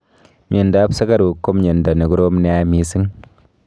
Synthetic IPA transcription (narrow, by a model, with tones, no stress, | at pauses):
m˦e˨nda˨˦psa˦ka˦ɾu˨kːo˦mɲe˨nda˨ni˨ɡɾo˦m˦ne˨a˦mi˨˦si˦ŋ